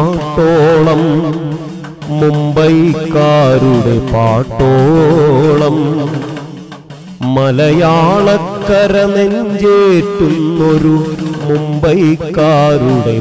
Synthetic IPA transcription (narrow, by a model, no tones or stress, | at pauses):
ʈːoːɭɐm | umbɐjkːaːɾuɽepaːʈːoː | ɭɐm | mɐlɐjaːɭɐkːɐɾɐneɲd͡ʑeːʈːunːoɾumumbɐjkːaːɾuɽe̞